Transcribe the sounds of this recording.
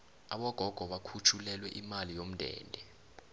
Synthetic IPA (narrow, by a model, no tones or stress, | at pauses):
aɓɔɡ̥ʱɔɡ̥ʱɔɓakʰut͡ʃʰulɛlwɛʔimalijom̩dʱɛ̰ːndʱɛ